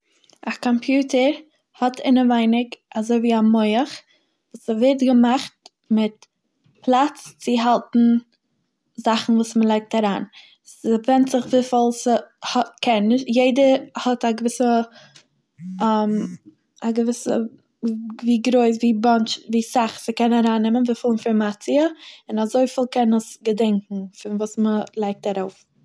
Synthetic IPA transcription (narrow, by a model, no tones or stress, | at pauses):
akɔmpjuːtʰəɾ | hɔtʰɪnəvaɪnɪkazoɪviːamɔɪəχ | vuːsɛvɛɾtɡəmaχt | mɪt | plˠat͡st͡sɪɦalˠtn̩ | zaχn̩vuːsməlˠaɪk̚taɾaːn | səvɛntz̥ɪχvɪfɔlˠshɔkʰɛnːɪʃtjeɪdəhɔtaɡəvɪsə | am | aɡəvɪsə̰ | viːɡɾoɪs̬viːbant͡ʃviːsaχsəkɛnaɾaːnːɪmənviːfɪlˠɪnfɔɾmat͡siəɪnazoɪfɪlˠkɛnəsɡədɛŋkŋ̩fɪnvuːsməlˠaɪk̚taɾoʊf